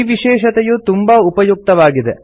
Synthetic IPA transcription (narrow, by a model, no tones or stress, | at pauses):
ʋiʃɛːʃɐt̪ɛjut̪umbɐupɐjuk̚t̪ɐʋaːɡid̪ḛ